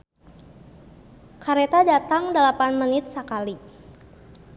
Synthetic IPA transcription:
kaɾet̪adat̪aŋdalapanmənɪt̪̚səkali

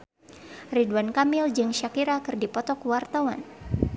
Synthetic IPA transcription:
riduankamɪld͡ʒɨŋʃakiɾakɨrdipɔt̪ɔkwart̪awan

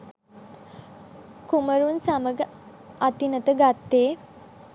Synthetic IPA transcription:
kuməɾunsaməɡə | at̪inət̪əɡat̪ːeː

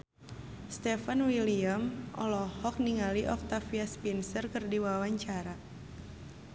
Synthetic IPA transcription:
st̪ɛfanwiliamʔɔ̰lɔhɔk̚niŋaliʔɔk̚t̪afiaspinsərkərdiwawaɲt͡ʃaɾa

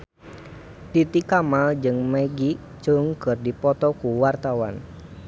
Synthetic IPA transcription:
t̪it̪ikamald͡ʒɨŋmaɡi | t͡ʃuŋkɨrdipɔt̪ɔkuwart̪awan

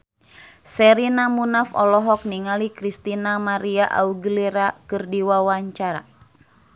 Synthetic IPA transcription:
sɛɾinamunafɔ̰lɔɦɔk̚niŋalikɾist̪inamaɾiaʔa̰uɡəliɾakɨrdiwawaɲt͡ʃaɾa̰

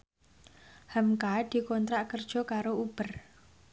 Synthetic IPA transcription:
hamkad̪̥i̤kɔnt̪ɾaʔkərd̥ʒ̥ɔ̤kaɾoub̥ər

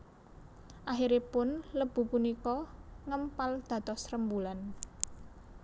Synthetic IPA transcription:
ʔaɦiɾipʊnləb̥ṳpunikɔŋəmpald̪̥ä̤t̪ɔsrəmbulan

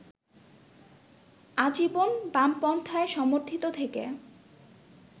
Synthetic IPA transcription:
ad͡ʑibonbampɔnt̪ʰaeʃɔmoɾt̪ʰit̪ot̪ʰekḛ

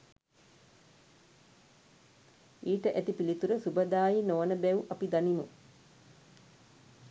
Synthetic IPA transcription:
iːʈəʔæt̪ipilit̪uɾəsubəd̪aːjinoʋənəbɛuʔapid̪animu

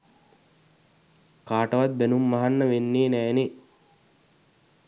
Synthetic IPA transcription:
kaːʈəʋat̪̚benumːaɦanːəʋenːeːnæːne

